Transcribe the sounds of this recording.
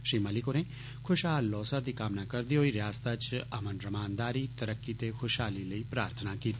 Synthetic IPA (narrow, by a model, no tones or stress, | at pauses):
ʃɾiːməlɪkonẽː | kʰʊʃɦaːlːɔːsad̪iːkaːmnaːkəɾd̪iːɦoːiːɾɪjaːst̪at͡ʃəmənɾəmaːnd̪aːɾiːt̪əɾəkːiːt̪exʰʊʃɦaːliːləiːpɾaːɾt̪ʰənaːkiːt̪i